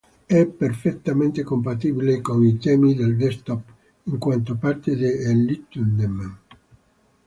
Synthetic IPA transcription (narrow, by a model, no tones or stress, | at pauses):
ɛpːerfet̪ːament̪ekompat̪ibilekoŋit̪ɛːmid̪eld̪est̪ɔp | iŋkwant̪opart̪ed̪eelːit̪und̪em